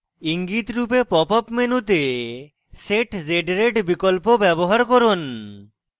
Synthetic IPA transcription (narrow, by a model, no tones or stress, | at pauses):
iŋɡit̪ɾupepɔpɔpmenut̪e | seʈd͡ʑeɖɾeɖbikolpobɛboɦaɾkɔɾon